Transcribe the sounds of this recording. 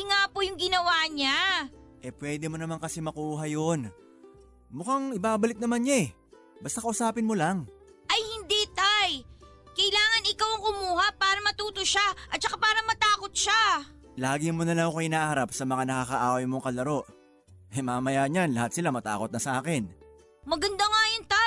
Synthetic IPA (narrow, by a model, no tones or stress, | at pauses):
ɪŋapojʊŋɡɪnɐwaːɲaʔɛpwɛːd̪ɛmo̞nɐmankɐsɛmɐkuːɦɐjon | mʊkaŋɪbaːbɐlɪt̪̚nɐmanɲaɛ | bɐst̪akɐʔʊsaːpɪnmolaŋ | ʔɐjhɪnd̪it̪aj | kɐɪlaːŋɐnɪkawɐŋkʊmuːhɐpaːɾɐmɐt̪uːt̪oʃaʔɐt̪̚t͡ʃɐkapaːɾɐmɐt̪aːkot̪̚ʃa | laːɡɪmonɐlɐokɐʔɪnaːhɐɾapsɐmɐŋanɐkakɐʔaːwɐjmoŋkɐlɐɾo̞ʔ | ɛmaːmɐjaɲanlɐhat̪̚sɪlamɐt̪a̰ːko̞t̪nɐsɐʔaːkɛn | mɐɡɐnd̪aŋajont̪aj